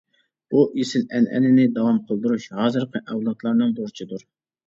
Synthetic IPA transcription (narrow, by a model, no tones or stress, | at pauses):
b̥uʔisɪnɛ̰nʔɛ̰nɪnɪd̪ɑwɑmqʰəlˠd̪uɾuʃhɑːzɨɾqəʔɛwlˠɑt̪lˠɑɾnɨŋboɾt͡ʃʰid̪uɾ